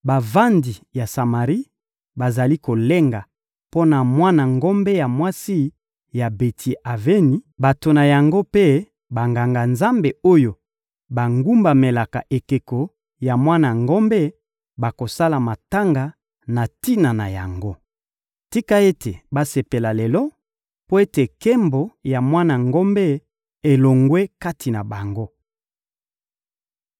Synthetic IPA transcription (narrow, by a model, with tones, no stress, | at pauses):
ba˨va˦ndi˨ja˨sa˨ma˨ʁi˦ | ba˨za˨li˦ko˨le˦ŋɡa˨ | po˦na˨mwa˦na˨ŋɡo˦mbe˦ja˨mwa˦si˦ | ja˨be˨tʰi˨ʔa˨ve˦ni˨˦ba˨to˨na˨ja˨ŋɡo˦pe˦ | ba˨ŋɡa˨ŋɡa˨nza˦mbe˨o˦jo˨ | ba˨ŋɡu˦mba˨me˨la˨ka̰˨ʔe˨ke˨ko˨ | ja˨mwa˦na˨ŋɡo˦mbe˦ | ba˨ko˨sa˦la˨ma˨ta˦ŋɡa˨ | na˨ti˦na˨na̰˨ja̰˨ŋɡo˦ | ti˦ka˦e˦tʰe˨ba˦se˨pe˨la˨le˨lɔ˦ | po˦e˦te˨kɛ˦mbo˨ja˨mwa˦na˨ŋɡo˦mbɛ˦ | e˨lo˨ŋɡwe˦ka˦tʰi˨na˨ba˨ŋɡo˦